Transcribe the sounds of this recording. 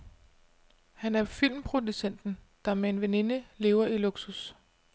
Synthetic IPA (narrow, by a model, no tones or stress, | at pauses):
hænæɐfil̰mpʰʁo̝d̥usen̰d̥n̩d̥ɑ̈mee̝nʋene̝nəle̝ːʊɐiloɡ̥sus